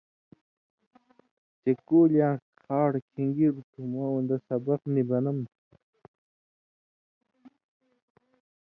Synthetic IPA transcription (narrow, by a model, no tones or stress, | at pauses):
t͡ɕekoːljãːkʰaːɽkʰiŋɡiɾt̪ʰumɐund̪ɐsɐbɐqnibɐnɐm